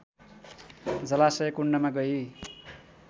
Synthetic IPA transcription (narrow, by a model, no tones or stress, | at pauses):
d͡zʌlasʌjʌkuɳɖʌmaɡʌi